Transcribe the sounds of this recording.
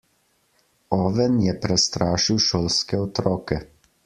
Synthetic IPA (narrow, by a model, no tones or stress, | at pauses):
ɔːʋɛnjɛpɾɛst̪ɾaːʃiwʃoːlskɛɔt̪ɾɔːkɛ